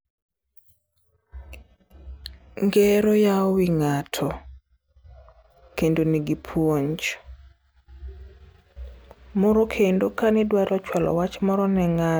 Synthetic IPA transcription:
ŋɡɛɾojaɔwiŋatʰɔ | kendoniɡipʰwoɲt͡ʃ | mɔɾokʰendokanɛdwaɾʔɔt͡ʃwalʔɔ̰wat͡ʃmɔɾɔnɛŋa

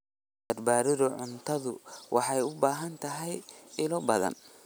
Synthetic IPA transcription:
bɐrbaːɾɪðʊʕʊnt̪ʰɐðʊ̰wʔɑ̰ħɑjʊbaːɦɐnt̪ʰɐɦɛjɪlɔbɐðɐ̰n

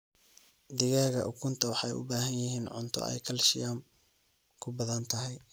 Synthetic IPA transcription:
d̪ɪɣaːɣɐʔʊkʰʊnt̪ʰɐwɑħɑjʊ̰baːɦɐnjɪɦiːnʕʊ̰nt̪ʰɔ̰ɛ̰jkʰɐlʃɪjaːm | kʰʊbɐðɐnt̪ʰɐɦɛj

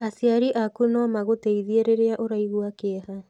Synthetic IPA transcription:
asiaɾiʔakunɔmaɣoteiðieɾeɾeaʔoɾaiɣwakeɛha

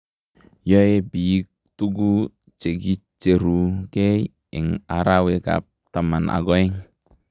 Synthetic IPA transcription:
jɔebiik̚t̪uɡu | t͡ʃeɡit͡ʃeɾuɡe | ḭŋaɾaweɡa̰p̚t̪amanʔa̰ɡɔiŋ

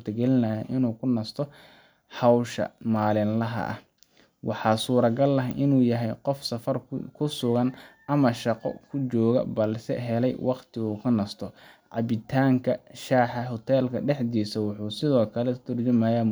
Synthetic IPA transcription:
t̪ʰɐɡɛlɪnɐjɐʔɪnuːkʰʊnɐst̪ʰɔ | hɑwʃɐ̰maːlɪnlɐɦɐ̰ʔɐ̰ | wʔɑħɑːsuːɾɐɡɐlːɐɦʔɪnuːjɐɦɛjqɔfsɐfɐrkʰʊsʊɣɐn | ɐmɐʃɑqɔ̰kʰʊt͡ʃɔːɣɐ̰bɐlsɛ̰ɦɛlɛjwʔɑqt̪ʰɪuːkʰɐnɐst̪ʰɔ | ʕɑ̰βɪt̪ʰaːŋkʰɐʃaːħɑɦʊt̪ʰɛːlkʰɐ̰ɖɛħd̪iːsɐwʊħuːsɪðɔːkʰɐlɛt̪ʰʊrd͡ʒʊmɐjaːm

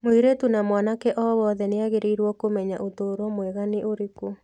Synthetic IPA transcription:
moiɾetunamwanakɛʔɔwɔðɛneaɣeɾeiɾwɔkomɛɲaʔotoːɾwɔmwɛɣaneʔoɾeko

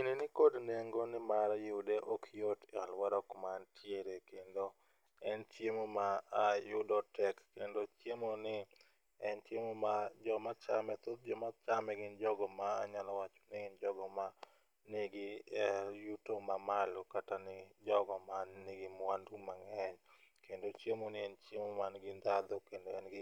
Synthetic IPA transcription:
inenɪkodneŋɡonɪmaɾjɪdeʔokʰjotɪalwaɾɔkmantʰjeɾekendo | ɛntjemomaːjʊdɔtɛkːendotjemonɪ | ɛntjemomad͡ʒɔmat͡ʃamɛt̪od̪̚d͡ʒɔmat͡ʃamɛɡɪnd͡ʒɔɡɔmaːɲalɔwat͡ʃɔ̥nɪɡɪnd͡ʒɔɡɔma | nɪɡɪ | jutomamalokatanɪd͡ʒɔɡɔmannɪɡɪmwandumaŋɛɲ | kendot͡ʃjemonɪɛnt͡ʃjemomanɡɪnd̪ad̪okendoɛnɡɪ

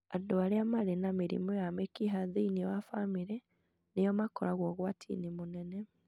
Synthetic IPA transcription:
adoaɾeamaɾenamiɾḭmɔjamekiɦaðiiniwafamiɾɛ | nejɔmakɔɾaɣwɔɣwatʰḭnimonɛnɛ

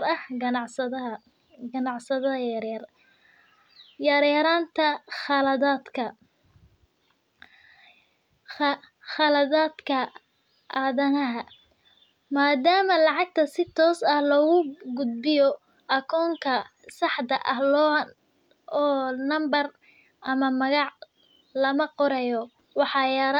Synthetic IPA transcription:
ɐhɡɐnɑʕsɐɐ | ɡɐnɑʕsɐðɐɐjɾɛr | jɐɾɐɾaːnt̪ʰɐχɑlɐðaːd̪kʰɐ | xɑlɐðaːd̪kʰɐ | ʔaːðɐnɐɦɐ | maːd̪aːmɐlɑʕɑɡ̚t̪ʰɐsɪt̪ʰɔːsɐhlɔːɣʊɡʊd̪̚bɪjɔ | ʔɐkʰɔːŋkʰɐsɑħd̪ɐʔɐhɔ | ɔːnɐmbɐr | ʔɐmɐmɐɣɑʕ | lɐmɐqɔɾɛjɔ | wɑħɑːjɑɾ

